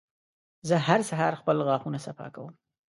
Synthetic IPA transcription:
zəhaɾsaɦɑɾxpəlɣɑxunasafɑ̰kawəm

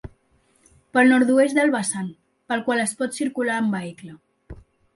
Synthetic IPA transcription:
pəlˠnɔɾt̪ues̚d̪əlˠβəsan | pəlˠkwaləspɔt̪siɾkulaəmbəiklə

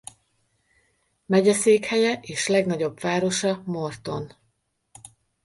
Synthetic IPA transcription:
mɛɟɛseːkhɛjɛʔeːʃlɛɡnɒɟo̞bvaːɾo̞ʃɒmo̞rt̪o̞n

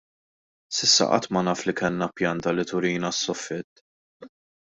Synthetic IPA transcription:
sɪsːɐ̰ʔɐ̰t̪ːmɐnɐːflikɛnːɐpjɐnt̪ɐlit̪ʊɾiːnɐsːɔfːɪt̪ː

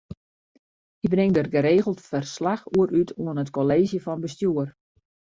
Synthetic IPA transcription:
hibrɪŋdərɡəɾeːɣəl̩ˠtfərslaxuəɾytʰuənətkoleːzjəfɔnbəstjuər

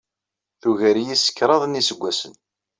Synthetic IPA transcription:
θuʝəɾjisə̥kːɾˤɑðˤnisəɡʷːæsən

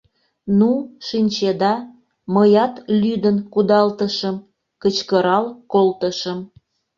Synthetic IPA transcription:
nuʃinʲt͡ɕed̪ɑ | məjɑt̪lyd̪ənkud̪ɑlt̪əʃəm | kət͡ɕkəɾɑlkolt̪əʃəm

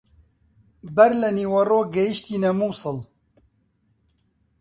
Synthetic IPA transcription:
bɛɾlɛniːwɐroːɡɛjiʃt̪iːnɛmuːsɨl

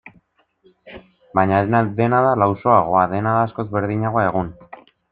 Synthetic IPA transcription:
bajɲanaðe̞naðalawso̞aɣ̞o̞aðe̞naðaːsko̞zβe̞ɾðiɲaɣo̞ae̞ɣ̞un

